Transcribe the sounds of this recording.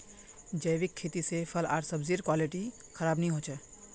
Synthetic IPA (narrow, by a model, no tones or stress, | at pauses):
d͡ʒəjʋɪkʰːeːt̪isepʰɐla̰ːɾsɐbziːɾkwaːlɪʈi | xɐɾaːbnɐɦĩɦõːt͡ʃɛː